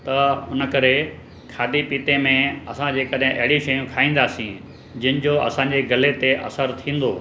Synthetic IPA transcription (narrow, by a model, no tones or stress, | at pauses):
t̪ɐʊnəkɐɾe | kʰaːd̪ipiːt̪emẽɐsãd͡ʑeːkɐɗɦɪ̃ʔɐ̰ɦɪɽiʃɐjũkʰaːĩːn̆d̪aːsĩ | d͡ʑɐnɪ̆d͡ʑoɐ̰sãɲd͡ʑeɡɐlet̪eʔɐ̰səɾt̪ʰĩːn̆d̪oː